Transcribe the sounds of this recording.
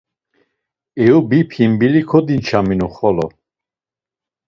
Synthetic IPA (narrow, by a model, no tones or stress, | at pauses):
ɛubipʰimbilikʰɔd̪int͡ʃʰaminuχɔlɔ